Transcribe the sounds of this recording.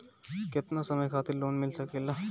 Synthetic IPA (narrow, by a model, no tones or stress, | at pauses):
kɪt̪nasɐməjkʰaːt̪ʰɪɾloːnmɪlsɐkelaː